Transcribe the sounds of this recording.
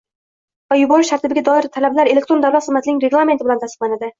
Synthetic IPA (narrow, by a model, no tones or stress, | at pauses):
vajʊbɒɾʊʃt̪aɾt̪ʰɪbɪɡʲad̪ɒɪɾt̪ʰalablaɾele̞k̚t̪ɾonawlat̪sɨzmːat̪ɪnɪŋɾe̞ɡlˠame̞nt̪ɪbɪlant̪ʰasɨq̚lˠanad̪ɪ